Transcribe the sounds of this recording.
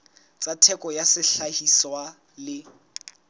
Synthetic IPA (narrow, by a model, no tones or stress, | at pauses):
t͡sʼatʰɛkʼɔjasɪɬahiswa | lɪ